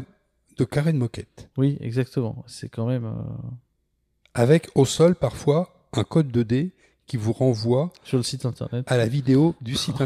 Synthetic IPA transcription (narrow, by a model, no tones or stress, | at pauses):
d̪̥əkaʁɛnmɔkʲɛt̪wiɛ̰ɡzak̚t̪əmɑ̰̃sɛkɑ̃mɛmø̰ | avɛkʰosɔlpaʁfwa | ɛ̃kɔd̪̚ːəd̪e | kʲivuʁɑ̃vwasyʁləsit̪ɛ̃t̪ɛ̰ʁnɛt̪alavid̪eod̪ysit̪ɛ̃